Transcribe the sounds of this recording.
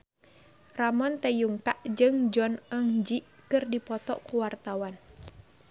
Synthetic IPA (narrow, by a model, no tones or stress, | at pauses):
ramɔnt̪ɛjuŋkaʔd͡ʒɨŋd͡ʒɔnəŋd͡ʒiʔkɨrdipɔt̪ɔ̰ʔkuwart̪awan